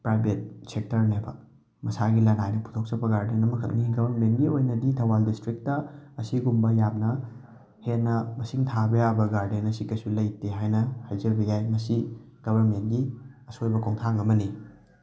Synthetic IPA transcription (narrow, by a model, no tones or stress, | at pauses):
pɾajbʱet̚sek̚tɐɾnebɐ | mɐsaɡilɐnajnɐpʰu̥tʰok̚sɐpɐɡaɾdenɐmɐkʰɐ̰k̚niɡɐbʱɐɾmentɡiojnɐditʰɐwaldistɾik̚tɐɐsiɡumbɐjamnɐ | henːɐmɐsiŋtʰabɐjabɐɡaɾdenɐsikɐsulɐjteɦajnɐhajzɐɾbɐjajmɐsi | ɡ̥ɐbʱɐɾmentɡiɐsojbɐkoŋtʰaŋɐmɐni